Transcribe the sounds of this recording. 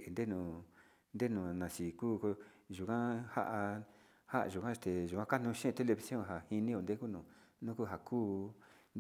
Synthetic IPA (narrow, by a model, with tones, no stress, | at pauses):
e˨nd̪e˦nũ˧˨ | nd̪e˦nũ˨nã˨si˨kuː˦ko˧ | ʒu˨kã˦ha̰˦ʔa˧ | ha˦ʔa̰˧ʒu˨kã˦˧t̪e˨ʒu˨kʷã˦ka˦nũ˧ʃĩ˦˧t̪e˦le˧βi˧sjõ˦˨ɦa˨hi˧nĩ˦o˧nd̪e˦ku˦nũ˨nũ˦ku˦˨ɦa˨kʰuː˦n